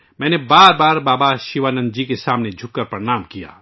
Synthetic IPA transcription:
mɛ̃ːnebaːɾbaːɾbaːbaʃɪʋaːnɐ̃nd͡ʒikesaːmned͡ʒʱʊkːɐɾpɐɾnaːmkija̰ː

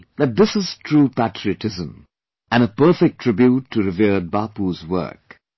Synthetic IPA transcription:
ðɨt̚d̪ɪsɪz̥tʰɹuːpætʰɹiɨtɪzə̃m | æ̃nəpɜːfɪk̚tʰːɹ̥ɪbjutʰːuɾɨvid̚bɑpuzwɜ̰˞k

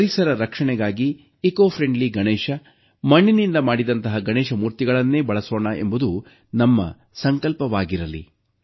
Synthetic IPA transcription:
pɐɾisɐɾɐɾɐkʂɐɳɛɡaːɡi | ekoːpʰɾeɳɖliɡɐɳɛːʂɐ | mɐɳːinind̪ɐmaːɽid̪ɐnt̪ɐɦɐɡɐɳɛːʃɐmuːɾt̪iɡɐɭɐnːe̞ːbɐɭɐsoːɳɐʔe̞̰mbud̪u | nɐmːɐ̰ | sɐŋkɐlpɐʋaːɡiɾɐlḭ

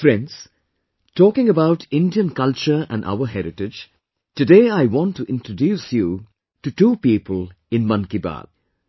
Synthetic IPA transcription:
fɾɛ̃nɖz̥ | tɔːkɪ̃ŋəbaʊʈʰɪ̃ndiə̃nkʌlt͡ʃə˞æ̰̃nʔa̰ʊəɦɛɾɪʈɪd͡ʒ | tɨdeːaɪʋɔ̃ntːuʔɪ̃ntɾədjuːsju | tuʈuːpiːpəl | ɪ̃nmʌ̃nkiba̰ːd̥

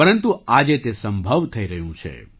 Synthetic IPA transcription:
əɾənt̪uad͡ʒet̪esəmbʱəʋt̪ʰəiɾəɦjũt͡ʃʰḛ

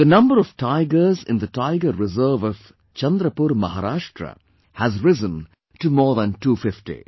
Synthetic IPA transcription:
d̪ənʌ̃mbəɾɔʋ̥ʈaɪɡəɾzɪ̃nd̪əʈaɪɡəɾːɪzəːɾʋɔʋ | t͡ʃʌ̃nd̪ɾəpuɾmɐɦa̰ːɾaːʃʈɾə̰ | hæzɾɪzə̃n | ʈumɔːɾðə̃nʈuːfɪfʈḭ

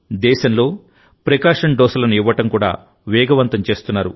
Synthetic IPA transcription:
d̪ɛːʃɐnlo̞ː | pɾɐkaːʂɐɳɖoːsɐlɐnuiʋːɐʈɐmkuːɽa̰ː | ʋɛːɡɐʋɐnt̪ɐmt͡ʃe̞ːst̪unːaːɾṵ

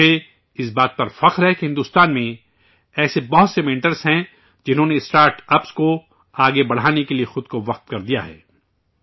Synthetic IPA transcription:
e | ɪsbaːt̪̚pɐɾfɐqɾɦɛkeɦɪ̃nd̪uːst̪aːnmẽ | ɛːsebɐɦʊt̪semẽːɳʈəɾzɦɛ̃ | d͡ʒɪnɦõneɪsʈaːɾʈɐpsko | aːɡebɐɽ̤aːnekeliexʊd̪koʋɐq̚t̪̚kɐɾd̪ija̰ɦɛ̰ː

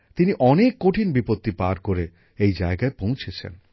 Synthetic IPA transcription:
t̪iniʔɔnekːoʈʰinbipot̪ːipaɾkoɾe | ejd͡ʑaeɡaepõw̃t͡ɕʰet͡ɕʰḛn

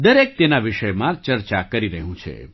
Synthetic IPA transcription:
d̪əɾek̚t̪enaʋɪʃəjmãt͡ʃəɾt͡ʃakəɾiɾəɦũt͡ʃʰḛ

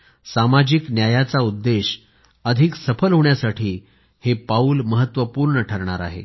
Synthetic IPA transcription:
samad͡ʑiknjajat͡saud̪ːeɕ | əd̪ʱiksəfəlɦoɳjasaʈʰiː | hepaulməɦət̪ʋəpuːɾɳəʈʰəɾɳ̃aɾa̰ɦḛ

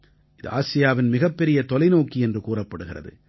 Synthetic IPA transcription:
ʔɪðɯ̰ʔa̰ːsɪjaːʋɪnmɪɣɐpːɛɾɪjɐt̪ɔlɐɪnoːkːiɛndrɯkuːrɐpːɐɽɯɣɪrɐ̰ðɯ̰

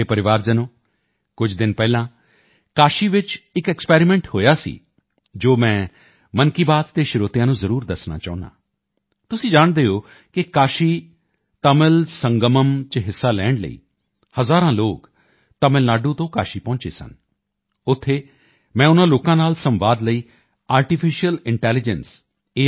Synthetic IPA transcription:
eːpəɾɪʋaːɾd͡ʒənoː | kʊd͡ʒd̪ɪnpɛːlãː | kaːʃiːʋɪt͡ʃɪkɛkspɛːɾɪmɛ̃ːɳʈhoːjaːsḭː | d͡ʒoːmɛ̃ː | mənkiːbaːt̪t̪eːʃɪɾoːt̪ɪjãːnũːzəɾuːɾd̪əsna̰ːt͡ʃaːʊna̰ː | t̪ʊsĩːd͡ʒaːɳd̪eːoː | kɪkaːʃiː | t̪əmɪlsəŋɡəməmt͡ʃəɦɪsːaːlɛ̰ːɽlə̰ḭː | həzaːɾãːloːk | t̪əmɪlnaːɖũːt̪õːka̰ːʃiːpɔ̃ːɲt͡ʃḛːsə̰n | ʊt̪ʰːeː | mɛ̃ːʊnãːloːkãːnaːlsəmʋaːd̪ləiː | aːɾʈɪpʰɪʃəlɪɳʈɛːlɪd͡ʒəns | eː

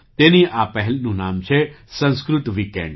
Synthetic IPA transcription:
t̪eːniʔapɛɦɛlnũnaːmt͡ʃʰe | sɐ̃nskɾʊt̪ʋikḛ̃ɳɖ

